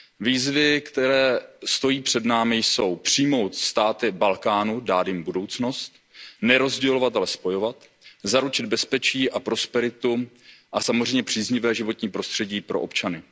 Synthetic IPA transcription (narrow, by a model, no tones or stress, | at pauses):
viːzvɪkt̪ɛɾɛːst̪o̞jiːpr̝̥ɛdnaːmɪjso̞wpr̝̥ijmo̞wt̪st̪aːt̪ɪbalkaːnudaːd̪jɪmbudo̞wt͡sno̞st̪ | nɛɾo̞zɟɛlo̞vat̪alɛspo̞jo̞vat̪ | zaɾut͡ʃɪd̪̚bɛspɛt͡ʃiːʔapɾo̞spɛɾɪt̪u | ʔasamozr̝ɛjmɲɛpr̝̥iːzɲɪvɛːʒɪvo̞t̪ɲiːpɾo̞st̪r̥ɛɟiːpɾʔo̞ʔopt͡ʃanɪ